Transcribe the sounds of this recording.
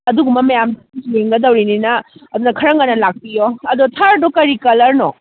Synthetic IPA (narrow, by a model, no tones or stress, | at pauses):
ɐduɡumɐmɐjamdaid͡ʒieŋɡɐdɐwɾininɐɐdunɐkʰɐɾɐŋɡɐnɐlak̚pijoɐdotʰɐɾdokɐɾikɐlɐɾnɔ